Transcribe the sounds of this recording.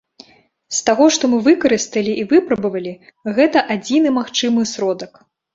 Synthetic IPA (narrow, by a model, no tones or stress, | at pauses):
st̪aɣɔʂt̪ɔmɨvɨkɐɾɨst̪ɐlʲiʔivɨpɾɐbɐvɐlʲi | ɣɛt̪ɐʔad͡zʲinɨmaxt͡ʂɨmɨsɾɔd̪ɐk